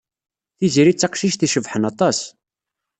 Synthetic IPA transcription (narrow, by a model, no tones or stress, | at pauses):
θiziɾit͡sːɑqʃiʃθiʃəvħənɑt̪ˤɑs